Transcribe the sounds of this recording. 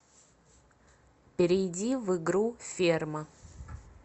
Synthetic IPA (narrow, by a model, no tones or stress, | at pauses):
pʲɪɾʲɪjdʲivɨɡɾufʲermə